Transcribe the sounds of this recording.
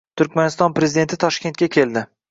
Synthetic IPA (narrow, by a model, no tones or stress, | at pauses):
t̪ʰʊɾkʲmanɪst̪ɒnpɾe̞zɪd̪e̞nt̪ʰɪt̪ʰɒʃkʲe̞nt̪̚kʲakʲʰe̞ld̪ɪ